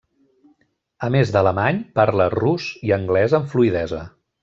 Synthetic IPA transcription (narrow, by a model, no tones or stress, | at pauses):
əmezðələmaɲpaɾləruziəŋɡlɛzəɱfluiðɛzə̰